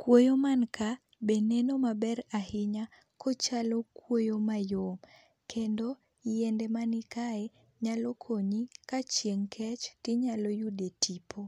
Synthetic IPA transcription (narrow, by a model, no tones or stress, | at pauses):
kwojomanka | benenomabɛɾahɪɲa | kot͡ʃalokwojomajom | kʰendo | jɛndɛmanɪkae | ɲalokʰoɲikat͡ʃjeŋkʰɛt͡ʃtɪɲalojudetipʰo